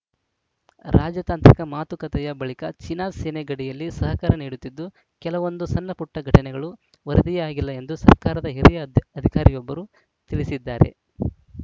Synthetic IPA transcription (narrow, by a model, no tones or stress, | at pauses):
ɾʔaːd͡ʒjɐt̪aːnt̪ɾikɐmaːt̪ukɐt̪ɛjɐbɐɭikɐt͡ʃinaːseneɡɐɽijɐlːisɐɦɐkɐɾɐniːɽut̪ːid̪ːu | kɛlɐʋo̞nd̪usɐnːɐpuʈːɐɡʱɐʈɐnɛɡɐɭu | ʋɐɾɐd̪ijaːɡilːɐe̞nd̪usɐɾkaːɾɐd̪ɐɦiɾijɐɐd̪ʱikaːɾijɔbːɐɾuː | t̪iɭisid̪ːaːɾe̞̰